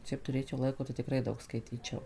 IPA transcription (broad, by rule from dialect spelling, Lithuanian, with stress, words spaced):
ˈʃʲɛɪp tʊˈrʲeːt͡ʃʲɛʊ ˈlˠɐɪkoː tɐɪ tʲɪkˈrɐɪ ˈdɐʊk skɐɪˈtʲiːt͡ʃʲɛʊ